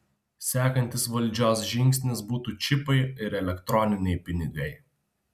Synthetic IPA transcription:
sʲæːkɐnʲt̪ʲɪsʋɐlʲd͡ʒʲoːs̬ʒʲɪŋʲksʲnʲɪsbuːt̪uːt͡ʃʲɪpɐɪɪɾɛlʲɛkt̪ɾɔnʲɪnʲɛɪpʲɪnʲɪɡɐɪ

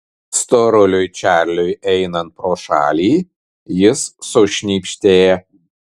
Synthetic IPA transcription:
st̪oːɾʊlʲʊjt͡ʃʲæːˑɾʲlʲʊjɛɪnɐnt̪̚pɾoːʃɑ̰ːlʲiː | jɪsːɔʃʲnʲiːpʲʃʲt̪ʲeːjɛ

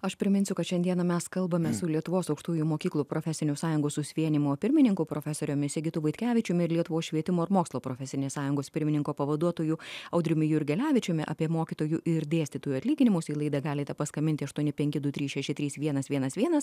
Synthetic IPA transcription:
ɐʃpʲɾʲɪmʲɪnsʲʊkɐt̪ʃʲɛnd̪iɛnɐmʲɛskɐlˠbɐmʲɛsʊlʲiɛt̪ʊʋoːsɒʊkʃt̪uːjumoːkʲiːklˠuːpɾoːfʲɛsʲɪnʲʊsɑːjʊŋɡoːssʊsʲʋʲiɛnʲɪmoːpʲɪɾʲmʲɪnʲɪŋkuːpɾoːfʲɛsoːɾʲoːmʲɪsʲɪɡʲɪt̪ʊʋɐɪt̪ʲkʲæːʋʲɪt͡ʃʲʊmʲɪɪɾlʲiɛt̪ʊʋoːsʃʲʋʲiɛt̪ʲɪmoːɪɾmoːkslˠoːpɾoːfʲɛsʲɪnʲeːssɑːjʊŋɡoːspʲɪɾʲmʲɪnʲɪŋkoːpɐʋɐd̪uɔt̪oːjuɐʊd̪ʲɾʲʊmʲɪjʊɪɾʲɡʲɛlʲæːʋʲɪt͡ʃʲʊmʲɪʔɑ̰pʲiɛmoːkʲɪt̪oːjuʔɪɾd̪ʲeːsʲt̪ʲɪt̪uːjuːɐt̪ʲlʲiːɡʲɪnʲɪmʊsiːlˠɐɪd̪ɐɡɑːlʲɪt̪ʲɛpɐskɐmʲɪnʲt̪ʲɪɐʃt̪uɔnʲɪpʲɛŋʲkʲɪd̪ʊt̪ʲɾʲiːsʃʲɛʃʲɪt̪ɾʲiːsʋʲiɛnɐsʋʲiɛnɐsʋʲiɛnɐs

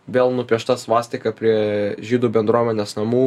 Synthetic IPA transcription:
ʋʲeːlˠnʊpʲiɛʃt̪ɑsʋɑːsʲt̪ʲɪkɐpʲɾʲiɛʒʲiːd̪uːbʲɛnd̪ɾuɔmʲɛnʲesnɐmuː

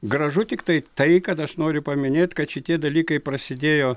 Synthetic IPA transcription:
ɡɾɐʒʊt̪ʲɪkt̪ɐɪt̪ɐɪkɐt̪ɐʃnoːɾʲʊpɐmʲɪnʲeːt̪ʲkɐt̪ʃʲɪt̪ʲiɛd̪ɐlʲiːkɐɪpɾɐsʲɪd̪ʲeːjoː

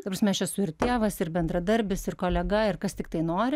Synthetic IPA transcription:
t̪ɐprɐsmʲɛɛʃʲɛsʊɪrt̪ʲeːʋɐsɪrbʲɛnd̪ɾɐd̪ɐɾʲbʲɪsɪrkoːlʲɛɡɐɪrkɐst̪ʲɪkt̪ɐɪnoːɾʲɪ

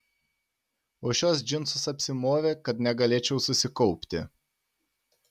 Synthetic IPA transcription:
oːʃʲoːs̬d͡ʒʲɪnsʊsɐpʲsʲɪmoːʋʲeːkɐt̪nʲɛɡɐlʲeːt͡ʃʲɛʊsʊsʲɪkɔʊpʲt̪ʲɪ̰

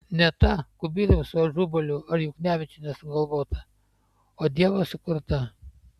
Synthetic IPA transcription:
nʲɛt̪ɐkʊbʲiːɾʲɐsʊɐʒuːbɐlʲʊɐɾjʊknʲæːʋʲɪt͡ʃʲʊnʲɛsʊɡɐlˠʋoːt̪ɐ | oːd̪ʲiɛʋɐsʊkʊɾt̪ɐ

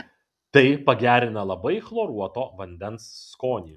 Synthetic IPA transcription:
t̪ɐɪpɐɡʲæːɾʲɪnɐlˠɐbɐɪxlˠoːɾuɔt̪oːʋɐnʲd̪ʲɛnsːkoːnʲiː

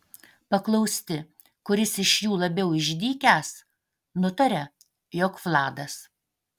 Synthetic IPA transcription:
pɐklˠɐʊsʲt̪ʲɪ | kʊɾʲɪsɪʃjuːlˠɐbʲɛʊɪʒʲd̪ʲiːkʲæs | nʊt̪ɐɾʲɛ | joːkflˠɑːd̪ɐs

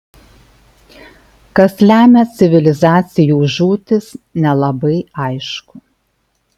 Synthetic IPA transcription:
kɐslʲæːmʲɛt̪sʲɪʋʲɪlʲɪzɑːt̪sʲɪjuːʒuːt̪ʲɪsnʲɛlˠɐbɐɪɐɪʃkʊ

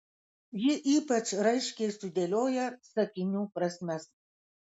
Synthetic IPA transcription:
jɪʔiːpɐt͡ʃɾɐɪʃʲkʲɛɪsʊd̪ʲelʲoːjɛsɐkʲɪnʲuːpɾɐsʲmʲɛs

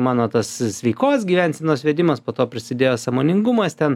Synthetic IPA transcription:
mɑːnoːt̪ɐssʲʋʲɛɪkoːsɡʲiːʋʲɛnʲsʲɛnoːsʋʲɛd̪ʲɪmɐspoːt̪oːpʲɾʲɪsʲɪd̪ʲeːjoːsɑmoːnʲɪŋɡʊmɐst̪ʲɛn

